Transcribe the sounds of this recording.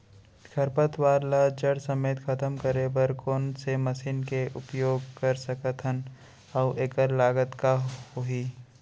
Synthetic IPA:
kʰɐɾpət̪waːɾlad͡ʒəɽsɐmeːt̪xʰɐt̪əmkəɾebəɾkoːnsemɐsiːnkeʔʊpjoːɡkəɾsəkət̪ʰən | ɔʊʔeːkəɾlaːɡət̪kaoɦiː

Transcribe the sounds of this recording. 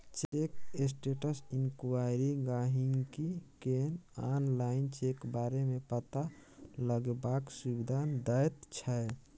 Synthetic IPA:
t͡ʃekes̬ʈeʈəsinkuwaɾiɡaɦiŋɡkikenanlaint͡ʃekbaɾemepət̪aləɡbaksubid̪ʱand̪əjt̪t͡ʃʰəj

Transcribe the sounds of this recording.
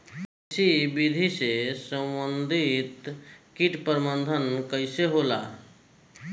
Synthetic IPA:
ɪsibid̪ʱisesə̃mbənd̪ʱit̪kiʈpəɾmənd̪ʱənkəɪseɦola̰

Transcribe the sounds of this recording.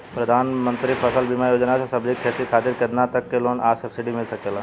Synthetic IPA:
pɾɐd̪ʱaːnmə̃nt̪ɾipʰɐsəlbimajoːd͡ʒnasesɐbd͡ʒɪkʰːet̪ikʰaːt̪ɪɾked̪nat̪ɐkːeloːnʔaːɾsɐpʰsiɖimɪlsɐkeːla

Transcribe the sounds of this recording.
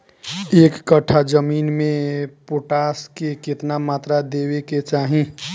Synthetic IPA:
eːkːəʈʰad͡ʒəmiːnmẽpoʈaːskekɪt̪namaːt̪ɾad̪eweket͡ʃaːɦĩ

